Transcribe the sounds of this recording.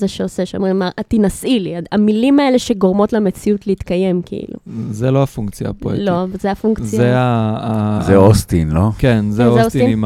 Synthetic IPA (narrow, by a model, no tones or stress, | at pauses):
zeʃeose̞ʃeo̰mʁimaʔatinasʔiliaamilimae̞le̞ʃe̞ɡo̞ʁmo̞tlemet͡siutleit̪kaje̞mkḭḭlṵzeloafuŋkt͡sja̰poḛlozeafuŋkt͡sjaeaː | zeost̪inlo̞kenzeoostinm